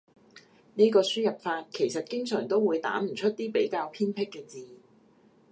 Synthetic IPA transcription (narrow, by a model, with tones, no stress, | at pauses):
niː˥kɔː˧syː˥jɐ˨p̚faː˧t̚kʰe˨˩jsɐ˨t̚kɪ˥ŋsœː˨˩ŋt̪o˥wwuː˨˧jt̪a̰ː˨˥m̩˨˩t͡ʃʰɵ˥t̚t̪iː˥pe˨˥jkaː˧wpʰiː˥npʰɪ˥kːɛː˧t͡siː˨˧